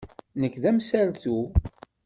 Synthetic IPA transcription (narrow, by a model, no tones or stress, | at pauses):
nəkːðæmsælθu